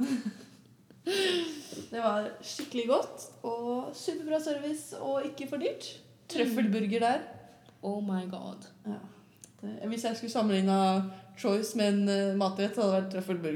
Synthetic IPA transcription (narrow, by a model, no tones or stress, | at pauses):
d̪ɛʋɑɾʂɪkːəlɪɡɔt̪ːɔsʉːpəbɾɑːsœɾʋɪːsɔɪkːəfɔɖyːʈ | t̪ʰːɾœfəlbʉɾɡəɖæːɾ | ʔoʊmaɪɡɑ̰d̪jɑ̰ː | d̪̥ɛʋɪsjæɪskʉləsɑmːəlɪŋnːət͡ʃ̪ʰɔʏsmɛɛnmɑːt̪ɾɛt̪ːhɑd̪əʋæʈ̚t̪ʰːɾœfəlbʉɾɡ